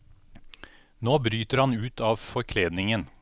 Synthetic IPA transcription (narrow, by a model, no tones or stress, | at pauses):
noːbɾyːt̪əɾhɑnʉːt̪ʰɑːʋfɔɾkʰleːd̪nɪŋən